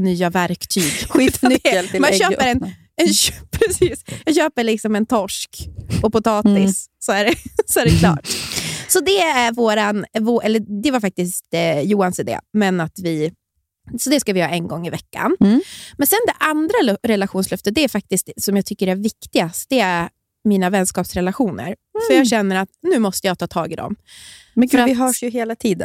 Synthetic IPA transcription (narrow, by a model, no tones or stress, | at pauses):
nyːavæɾkt̪ʰyːɡi | maɕøːpəɾɛn | ɛnpʰɾɛsiːsjɑːɡɕøːpəɭɪksɔmɛnt̪ʰɔʂkɔpʊt̪ʰɑːt̪ɪsːɔæɖɛsɔæɾɛkʰlɑ̰ːʈsɔd̪ɛæɾvoːɾanvoʔɛlːəd̪ɛvaɾfak̚t̪ɪst̪juːansɛd̪ɛ̰mɛnat̪vɪ | sɔd̪ɛskavɪhɑ̰ːɛnɡɔŋːɪvɛkːa̰nmɛnsɛnd̪ɛʔand̪ɾaɾɛlaɧuːnslœft̪əd̪ɛæɾfak̚t̪ɪst̪sɔmjɑːɡt̪ʰʏkːəɾæɾvɪkt̪ɪɡast̪d̪̥ɛæɾ | miːnavɛnskɑːpsɾɛlaɧuːnə̰ɾfœɾjɑːɡɕɛnːəɾat̪nʉ̟ːmɔst̪əjɑɡt̪ʰɑːt̪ʰɑːɡɪd̪ɔ̰m | fœɾaɪɦœːʂjɵɦeːlat̪ʰiːd̪ə